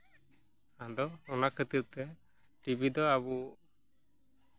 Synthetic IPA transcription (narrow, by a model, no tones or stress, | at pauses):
ad̪ɔːnaʔkʰət̪iɾ̚t̪ɛ | ʈibid̪ɔabu